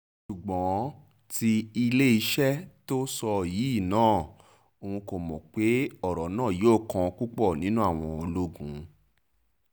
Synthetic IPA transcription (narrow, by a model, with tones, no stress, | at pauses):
ʃu˨ɡ͡bɔ̃˨˦ | ti˧i˧le˦i˧ʃɛ˦to˦sɔ˧ji˨˦i˦˨nãː˦˨ | o˧hũ˧ko˨mɔ̃˨k͡pe˨˦ɔ˦˨ɾɔ˨nãː˦˨jo˦˨kã˧ku˦k͡pɔ˦˨nĩ˨˦nũ˦a˦˨w̃ɔ̃˧o˧lo˦ɡũ˨˦